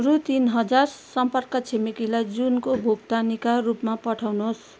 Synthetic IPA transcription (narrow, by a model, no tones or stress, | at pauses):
ɾut̪inɦʌd͡zarsʌmpʌrkʌt͡sʰemikilajd͡zunkobʱoɡt̪anikarupmapʌʈʰawnuɦos